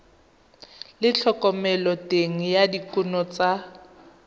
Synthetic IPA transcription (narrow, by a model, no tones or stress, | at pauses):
lɪt͡ɬʰɔkʼɔmɛlɔtʼeŋ̩jadikʼunɔt͡sʼa